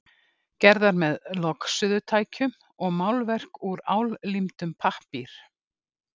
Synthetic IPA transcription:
cɛɾðaɾmɛðlɔksʏðʏt̪ʰaːjcʏm | ɔɣmaːwlvɛr̥kuɾaːwllimt̪ʏmpʰahpiɾ̥

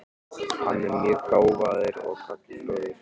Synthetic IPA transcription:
ha̰nːɛɾmjɛɣkaːwvaːðɪɾɔ̰ɣkʰakɪɔðɪɾ̥

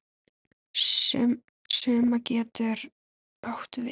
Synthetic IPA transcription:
sœːmacɛːt̪ɪɾ | aht̪vɪ

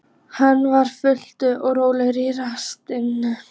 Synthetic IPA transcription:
hanːvaɾ̥fʏl̥t̪ʏʔɔɣroːwlɪɾiːɾast̪ɪnːʏ

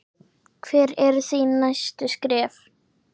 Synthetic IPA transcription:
kʰvɛːɾɛɾθinːajst̪ʏskɾɛːf

